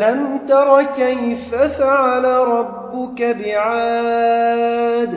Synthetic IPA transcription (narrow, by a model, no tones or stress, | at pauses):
lamt̪ɑɾˤɑkajfafaʕalaɾˤɑbːʊkabɪʕaː | d̪